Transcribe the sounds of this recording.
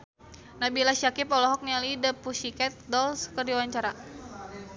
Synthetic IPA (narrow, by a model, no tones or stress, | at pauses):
nabilaʃiakipɔlɔɦɔk̚nialidəpusikɛt̪̚dɔlskərdiwaɲt͡ʃaɾa